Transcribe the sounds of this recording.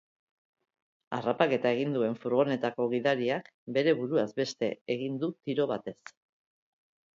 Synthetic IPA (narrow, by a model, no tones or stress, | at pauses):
a̰rapake̞t̪ae̞ɣ̞ind̪ue̞ɱfuɾɣ̞o̞ne̞t̪ako̞ɣiðaɾiak | be̞ɾe̞βuɾuazbe̞st̪e̞eɣ̞ind̪ut̪iɾo̞β̞at̪e̞s